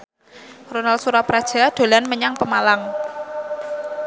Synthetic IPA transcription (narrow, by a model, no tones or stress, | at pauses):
ronal̚suɾapɾad̥ʒ̥a̤ɖ̪̥o̤lanməɲaŋpəmalaŋ